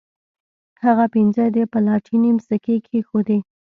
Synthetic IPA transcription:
haɣapinzəd̪epəlɑʈʰinimsəkekʰexod̪e

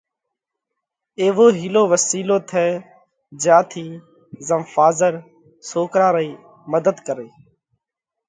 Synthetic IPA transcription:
eːʋoːɦiːloːʋəsiːloːt̪ʰɛː | d͡ʒjãːt̪ʰiː | zəmfaːzəɾ | soːkɾaːɾiː | məd̪əd̪kəɾeː

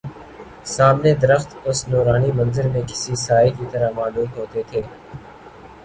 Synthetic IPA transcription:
saːmned̪əɾəxt̪ʊsnoːɾaːniːmə̃nzəɾmẽːkɪ̥sisaːikit̪əɾamaːluːt̪ɦoːt̪et̪ʰeː

